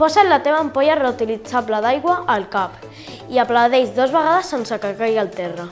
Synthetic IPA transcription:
pɔsalat̪eβ̞aːmpoʎareut̪ilit͡saβlaðajɣwaʔːlkap | iaplawðezd̪ozβəɣaðəsːensakakajɣalt̪ɛra

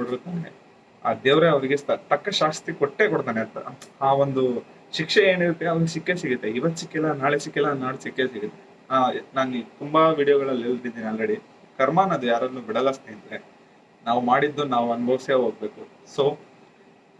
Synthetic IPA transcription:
koɽiɾut̪aːne | a̰ːd̪eːʋɾeɐʋɐɾiɡest̪ɐʈɐkːɐʃaːst̪ɾikɔʈːeːkɔɽt̪aːneɐnt̪ɐhaːʋond̪u | ʃikʂeeːniɾut̪ːe̞ɐʋɐɾɡesikːe̞siɡut̪ːeiʋɐt̪ːsikːɛlːanaːɭesikːɛlːanaːɭsikːesiɡut̪ːe | anaːnit̪umbɐʋiːɽijoɡɐɭɐlːelt̪id̪iːniɐlɾeɽi | kɐɾmaːnɐd̪ujaːɾɐd̪nuːbiɽɐlɐst̪iːnd̪ɐɾe | naːʋumaːɽid̪ːunaːʋuɐnubʱɐʋɐsjeɦoːɡ̚be̞ːku | soː

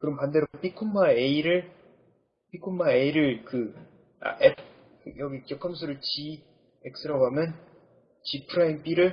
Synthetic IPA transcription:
kɯɾʌmpandeɾop͈ikʰumːaeiɾɯɭ | p͈ikʰumːae̞iɾɯɭkɯ | a̰ʔep | jʌɡikjʌkʰʌmsʰɯɾɯɭt͡ɕi | ek̚s͈ʰɯɾaɡoɦamjʌn | t͡ɕipʰɯɾainp͈iɾɯɭ

